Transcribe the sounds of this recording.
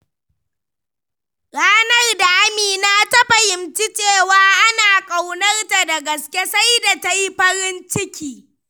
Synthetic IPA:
ɽaː˦nɐ˦rda˨ʔa˦miː˨na˦tɐ˦ɸa˨jɪ˨mt͡ʃi˦t͡ʃeː˦˨waː˨˦ʔa˦naː˨kʼa˨wnɐ˦rta˨da˨ɡɐ˨skʲe˦sa˦jda˨ta˦ji˦ɸɐ˦ɾɪ˦nt͡ʃɪ˦kʲiː˨

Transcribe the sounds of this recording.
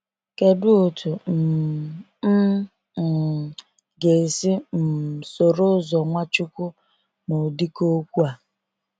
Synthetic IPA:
ke˨dʊ˦o˨tʰu˨m̩˨˦˨ | ɡe˨si˦m̩˨so˨ɾʊ˦zɔ˨ŋʷa˦t͡ʃʊ˦kʊ˦ | no˨di˦ko˦kʷu˦a˨

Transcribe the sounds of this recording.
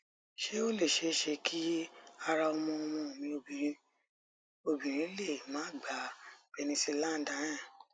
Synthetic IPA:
ʃe˦o˦le˦˨ʃe˧˦ʃe˧kʰi˦a˧ɾa˧ɔ˧mɔ̃˧ɔ˧mɔ̃˧o˨mĩ˧õ˧˨˧ | o˧bĩ˨ɾ̃ĩ˨˦le˦˨mãː˨˦˨ɡ͡ba˨˦b̥e˧nĩ˧se˧lã˦˨n˨dã˨˦nã˦˨

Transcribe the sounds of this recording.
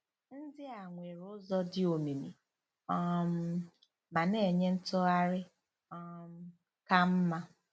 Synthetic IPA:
n̩˦dɪ˦a˨ŋʷe˨ɾʊ˦zɔ˦dɪ˦o˨mi˨mḭ˨ | ɔ˦m̩˦ | ma˨ne˨e˨ɲe˦n̩˦tʊ˦a˦ɾɪ˦ | ɔ˦m̩˦ | ka˦m̩˦ma˦

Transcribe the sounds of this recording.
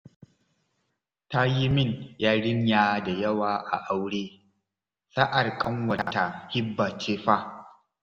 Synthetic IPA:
ta˦ji˦mɪ˦˨ɲjaː˦ɽɪ˦ɲjaː˦da˨jɐ˦waː˨ʔa̰˨ʔa˦wɽeː˦ | sa˦ʔa˨rkʼɐ˦ŋwɐ˨a˨ta˨hɪ˦bːaː˨t͡ʃeː˦ɸa˦

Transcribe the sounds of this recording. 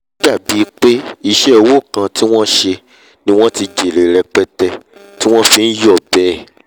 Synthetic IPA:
d͡ʒa˦˨bi˨˦˧k͡pe˦i˧ʃɛ˦o˧wo˦˨kã˧ti˦w̃ɔ̃˦ʃe˧ | nĩ˦w̃ɔ̃˦ti˧d͡ʒe˨ɾe˨ɾɛ˧k͡pɛ˦tɛ˧ | ti˦w̃ɔ̃˦fĩ˧n̩˦jɔ˦˨bɛ˦˨

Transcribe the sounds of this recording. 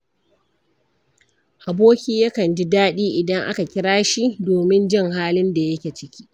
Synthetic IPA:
ʔa˨boː˦kʲiː˦ja˦kɐ˨nd͡ʒi˦daː˦ɗiː˦ʔɪ˨dɐ˦ŋʔa̰˦ka˨kʲɪ˦ɽaː˦ʃi˦doː˨mɪ˦nd͡ʒɪ˦˨ŋɦaː˦lɪ˦nda˨jɐ˦kʲeː˨t͡ʃɪ˦kʲi̥ː˦

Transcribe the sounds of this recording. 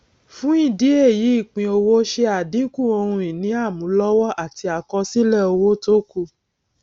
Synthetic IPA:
fũ˦ĩ˦˨di˦e˦˨ji˨˦i˦˨k͡pĩ˧o˧wo˦ʃe˧a˨dĩ˨˦kũ˦˨o˧hũ˧ĩ˨nĩ˨˦a˦˨mũ˨˦lɔ˦wɔ˦ʔa˦˨ti˧a˨kɔ˧si˦lɛ˦˨o˧wo˦to˦ku˦˨

